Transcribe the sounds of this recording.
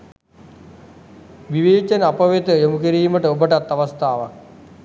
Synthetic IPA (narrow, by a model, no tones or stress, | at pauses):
ʋiʋeːt͡ʃɐnəapəʋet̪əjomukiɾiːməʈəobəʈat̪ːaʋast̪aːʋak̚